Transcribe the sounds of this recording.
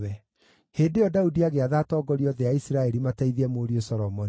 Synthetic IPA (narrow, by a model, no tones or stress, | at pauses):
ɛ | heːdejɔdaudiaɣeaðaːtɔɡɔɾiɔðɛaisɾaɛɾimataiðiɛmoːɾiosɔɾɔmɔn